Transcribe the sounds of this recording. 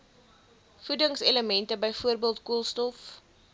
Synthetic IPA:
fudəŋseləmɛntəbəjfuərbiəlˠtkuəlˠstɔf

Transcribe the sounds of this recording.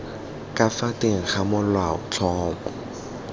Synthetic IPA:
kʼafatʼɪŋ̩χamʊlwaʊ̰t͡ɬʰɔːmɔ

